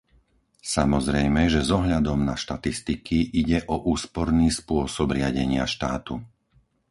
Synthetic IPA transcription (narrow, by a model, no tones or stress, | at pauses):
samɔzɾɛjmɛʒɛzɔɦʎad̪ɔmnaʃt̪at̪ist̪ikʰiʔiɟɛʔɔʔuːspɔɾniːspʊɔsɔbɾɪaɟɛɲɪaʃt̪aːt̪u